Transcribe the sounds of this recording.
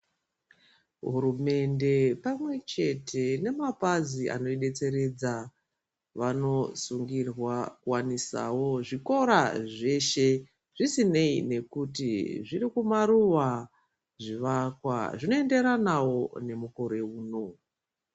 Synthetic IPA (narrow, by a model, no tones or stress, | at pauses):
ɦuɾume̞nde̞pamwe̞t͡ʃe̞tʰe̞ne̞mapaziʔa̰no̞iɗe̞t͡se̞ɾe̞d͡za | ʋano̞suŋɡirwakuwanisa̰wo̞ʐiko̞ɾa̰ʐe̞ʃe̞ | ʐ̥isine̞ine̞kutiʐiɾikumaruʋa | ʐiʋakwa̰ʐino̞e̞nde̞ɾanawo̞ne̞muko̞ɾe̞uːno̞